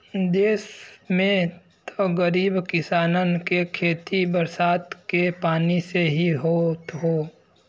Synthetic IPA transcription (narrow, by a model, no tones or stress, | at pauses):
d̪eːsmẽ | t̪oɡəɾiːbkɪsaːnənkekʰeːt̪ibəɾsaːt̪kepaːniseɦiɦoːt̪ɦoː